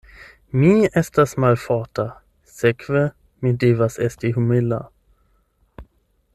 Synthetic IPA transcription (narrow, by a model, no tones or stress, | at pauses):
miːɛst̪asmalfɑːta | sɛkʰvə | mid̪evasɛst̪iɦumɪlːa̰